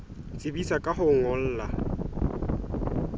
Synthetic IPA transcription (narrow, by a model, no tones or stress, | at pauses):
t͡sʼɪbisakʼaɦʊŋʊl̩ːla